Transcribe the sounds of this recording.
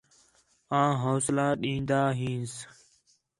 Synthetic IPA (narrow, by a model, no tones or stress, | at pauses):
ãːɦoːslãːɗĩːnd̪aːɦĩːs